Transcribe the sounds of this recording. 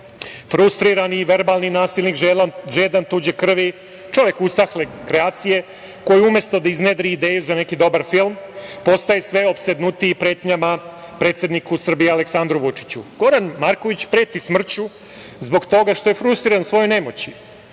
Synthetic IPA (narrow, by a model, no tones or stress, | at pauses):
fɾust̪ɾiɾaniːʋe̞ɾbalninaːsilʲnikʒeːd̪ant̪uːd͡ʑekr̩ʋi | t͡ʃo̞ʋjekusaxlekɾeaːt̪sije̞ | ko̞jiumjest̪o̞d̪aizned̪ɾiːd̪e̞ːjuzane̞kid̪o̞baɾfilˠmpo̞st̪ajesʋe̞opsed̪nut̪iːpɾe̞ːt̪ɲama | pɾe̞ːt̪sje̞d̪nikusr̩bijealeksand̪ɾuʋut͡ʂi̥t͡ɕṵɡ̥o̞ɾanmaɾko̞ʋit͡ɕpɾe̞ːt̪ismr̩t͡ɕu | zbo̞ɡt̪o̞ɡaʃt̪o̞je̞fɾust̪ɾiɾansʋo̞jone̞mot͡ɕi